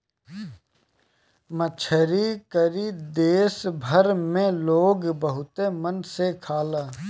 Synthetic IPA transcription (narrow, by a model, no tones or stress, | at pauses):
mət͡ʃʰəɾikəɾid̪eːsbʱəɾmẽloːɡbəɦʊt̪emənsekʰaːlaː